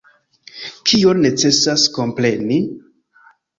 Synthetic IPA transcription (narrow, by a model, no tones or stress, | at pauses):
kʰio̞nːe̞t͡se̞sasko̞mpɾe̞ni